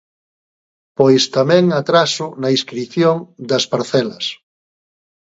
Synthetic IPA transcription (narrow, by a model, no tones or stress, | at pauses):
pojst̪amɛ̃ŋat̪ɾasʊnɐiskɾiθjoŋd̪ɐspaɾθɛlɐ̰s